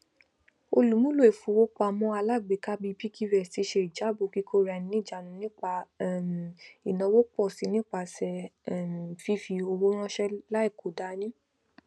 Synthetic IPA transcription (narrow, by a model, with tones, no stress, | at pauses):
o˧lu˨˦mũ˦lo˦˨e˨fu˨˦wo˦k͡pa˧˨mɔ̃˧˦a˧la˦˨ɡ͡be˨ka˦bi˧bi˦kʰi˦ɾɛ˨si˧˦ʃe˧i˨d͡ʒa˨˦bu˨ki˦kʰo˦ɾa˨˧˨nĩ˧nĩ˦˨d͡ʒa˨nũ˧˦nĩ˦k͡pa˧˨m˨i˨nɔ̃˨˧wo˦k͡pɔ˦˨si˨˧˦nĩ˦k͡pa˧˨sɛ˨˦˨m˨fi˦fi˧o˧wo˦ɾ̃ɔ̃˦ʃɛ˦la˦i˦˨kʰo˨˦da˨˦nĩ˦